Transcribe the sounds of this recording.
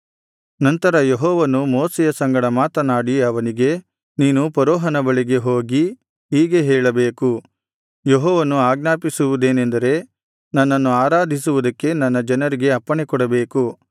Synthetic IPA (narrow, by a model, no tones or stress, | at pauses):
nɐnt̪ɐɾɐjeɦɔːʋɐnumoːsɛjɐsɐŋɡɐɽɐmaːt̪ɐnaːɽiɐʋɐniɡe̞ | niːnupɐɾɔːɦɐnɐbɐɭiɡe̞ɦo̞ːɡi | ɦiːɡe̞ɦɛːɭɐbeːku | jeɦɔːʋɐnuaːɡ̚naːpisuʋud̪e̞ːnend̪ɐɾe̞ | nɐnːɐnːuaːɾaːd̪ʱisuʋud̪ɐkːe̞nɐnːɐd͡ʒɐnɐɾiɡe̞ɐpːɐɳekɔɽɐbe̞ːku